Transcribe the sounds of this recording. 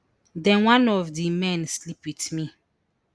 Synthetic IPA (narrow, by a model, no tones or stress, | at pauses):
dɛ̃nwãnɔvdimɛ̃nslipwitmi